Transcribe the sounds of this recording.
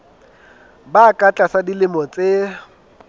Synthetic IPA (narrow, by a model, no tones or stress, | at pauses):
bakʼat͡ɬʼasadilɪmɔt͡sʼe